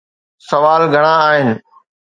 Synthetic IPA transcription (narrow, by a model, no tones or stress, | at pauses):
sɐʋaːlɡʱɐɽ̃aaːɦɪnɪ̆